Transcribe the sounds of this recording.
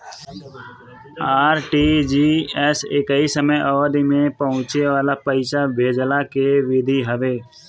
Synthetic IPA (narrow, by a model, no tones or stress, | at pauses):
aːɾʈid͡ʒiːɛsɪkaisəməjʔɔːɾimẽpəɦʊ̃t͡ʃeʋaːlapəɪsabʱeːd͡ʒlakeʋɪd̪ʱiɦəʋeː